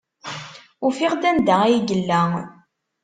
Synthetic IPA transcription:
ʊfiʁd̪ænd̪æijɡəlːæ

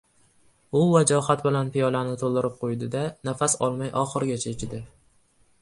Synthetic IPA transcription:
ʊvad͡ʒɒhat̪bɪlanpɪjɒlanɪt̪ʰolˠd̪ɪɾɪp̚qʰojd̪ɪd̪anafasɒ̰lˠmajʔɒχɨɾɡʲat͡ʃʰaet͡ʃʲʰɪd̪ɪ

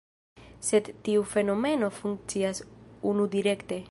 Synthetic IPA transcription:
se̞d̪ːiufe̞no̞me̞no̞fuŋk̚t͡siasunud̪iɾe̞kt̪e̞

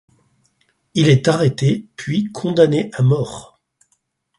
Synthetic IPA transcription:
ilɛt̪aʁet̪epɥikʰɔ̃d̪aneʔamɔːʁ

